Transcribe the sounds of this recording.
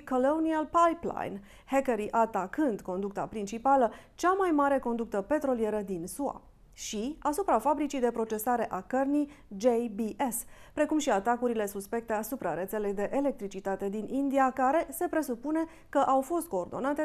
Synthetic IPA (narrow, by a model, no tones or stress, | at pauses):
kolonialpajpla̰jn | hekeɾiʔat̪akɨnd̪ko̞nd̪uk̚t̪a̰pɾint͡ʃipalət͡ʃamajmaɾe̞ko̞nd̪uk̚t̪əpe̞t̪ɾo̞lije̞ɾəd̪insua̰ | ʃiasupɾafabɾit͡ʃijd̪e̞pɾo̞t͡ʃe̞saɾe̞ʔakərni | d͡ʒejbiʔes | pɾe̞kumʃiat̪akuɾile̞suspe̞k̚t̪e̞asupɾaɾe̞t̪se̞le̞jd̪e̞ʔele̞k̚t̪ɾit͡ʃit̪at̪e̞d̪inʔind̪iakaɾe̞se̞pɾe̞supune̞ | kəʔawfo̞st̪̚ko̞ːrd̪o̞̰nat̪e̞